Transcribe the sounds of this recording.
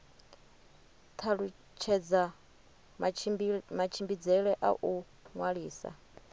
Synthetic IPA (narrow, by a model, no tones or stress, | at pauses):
t̪ʰaɺu | t͡ʃʰɛd͡za | mat͡ʃʰimbid͡zɛɺɛʔa̰ʔu | ŋwaɺiːsa̰